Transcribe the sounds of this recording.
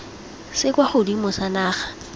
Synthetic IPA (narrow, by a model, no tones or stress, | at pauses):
sɪkʼwaχʊdimʊsanaːχḁ